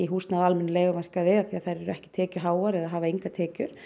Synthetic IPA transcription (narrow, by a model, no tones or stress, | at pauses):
iɦuːst̪naðalmɛnːleːɣʏmar̥kavɪaθiaðθajɾɛɾʏɛhcɪ̥t̪ʰɛːcʏɦaːwaɾɛðaɦaːvaiŋkat̪ʰɛːcʏɾ̥